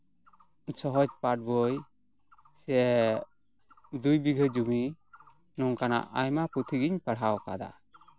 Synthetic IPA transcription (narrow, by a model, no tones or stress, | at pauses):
sɔɦɔd͡ʒpaʈ̚bɔj | sɛ | d̪ujbiɡʱəd͡ʒumi | nɔŋkana̰ʔajmaput̪ʰiɡiɲpaɽawka̰d̪a̰